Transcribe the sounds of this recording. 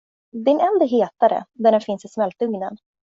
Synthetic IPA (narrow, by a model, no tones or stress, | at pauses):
d̪ɪnɛnd̪aɦeːt̪aɾə̰d̪æɖɛnfɪnsɪsmɛlt̪ɵŋnən